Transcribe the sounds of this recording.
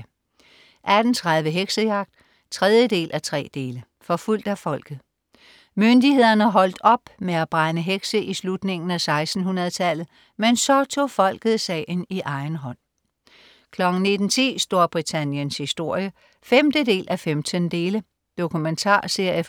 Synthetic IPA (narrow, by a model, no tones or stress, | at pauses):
ʔæd̥n̩t͡sʰʁað̞ˠʋəɦeɡ̥səjɑ̈ɡ̥̚d̥ | t͡sʰʁɛð̞ˠjəd̥e̝̰ːlʔæt͡sʰʁɛ̰ːd̥e̝ːlə | fɒ̽ful̰d̥æfɒ̽l̰ɡ̥ð̩ˠ | mønd̥ihe̝ð̞̰ˠɐnəæɦɒ̽l̰d̥ɒ̽b̥meæb̥ʁanəɦeɡ̥səʔislud̥ne̝ŋn̩æsɑ̈ɪsd̥n̩ɦunɐðˠət͡sʰæl̰ð̩ˠ | mensɒ̽t͡sʰo̝̰ːfɒ̽l̰ɡ̥ð̞̩ˠsɛ̰ːɪniʔɑ̈ɪnɦɒ̽n̰ | kʰlɒ̽ɡ̥n̩ne̝d̥n̩t͡sʰḭːsd̥o̝ɐb̥ʁit͡sʰænjənshisd̥o̝ɐ̰jə | femd̥əde̝̰ːlʔæfemd̥ʰənd̥e̝ːlə | d̥o̝kʰument͡sʰɑ̰̈ːse̝ɐ̰jə